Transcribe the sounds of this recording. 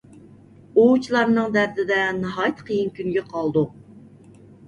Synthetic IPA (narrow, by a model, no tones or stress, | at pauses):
ot͡ʃʰilˠɑɾnɨŋd̪æɾd̪ɪd̪ɛnɑɦɑjt̪ʰqʰəjinkʲʰynɡʲɛqʰɑlˠd̪u